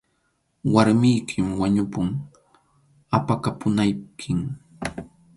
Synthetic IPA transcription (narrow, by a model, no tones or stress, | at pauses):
waɾmɪjkʰɪmwaɲʊpʊŋ | apakapʊnajkʰɪŋ